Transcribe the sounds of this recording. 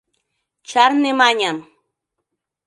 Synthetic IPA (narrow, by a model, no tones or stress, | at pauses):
t͡ʃaɾnemaɲam